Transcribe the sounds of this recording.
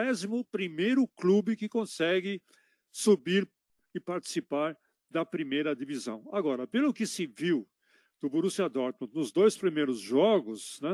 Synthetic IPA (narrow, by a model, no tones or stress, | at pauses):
ɛzimʊpɾimejɾʊklubɪkɪkõsɛɡɪ | subiɾ | ɪpaɾt͡ʃ̪i̥sipaɾ | d̪ɐpɾimejɾɐd̪ivizɐ̰̃w̃aɡɔɾɐpelʊkɪsɪviw | d̪̥ʊboɾusad̪ɔɾt̪mũnʊzd̪ojspɾimejɾʊzʒɔɡʊsnɛ